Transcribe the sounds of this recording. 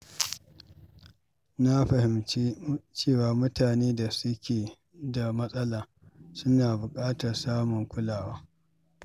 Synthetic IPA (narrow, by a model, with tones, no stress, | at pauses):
na˦ɸɐ˨hɪ˨me˦t͡ʃeː˦˨waː˦mʊ˦taː˨neː˦da˨sʊ˦kʲeː˨ | da˨mɐ˦sʼɐ˦laː˨ | sʊ˦naː˨bʊ˨kʼaː˦tɐ˨rsaː˦mʊ˨ŋkʷʊ˦laː˨waː˦